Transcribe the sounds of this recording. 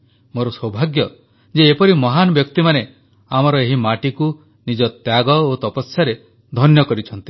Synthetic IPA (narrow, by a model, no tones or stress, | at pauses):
moɾɔsɔbʱaɡjɔ | d͡ʒeːpɔɾimɔɦanɔbjɔkt̪imane | amɔɾɔeɦimaʈiku | nid͡ʒɔt̪jaɡɔot̪ɔpɔsjaɾe | d̪ʱɔnjɔkɔɾit͡ʃʰɔnt̪i̥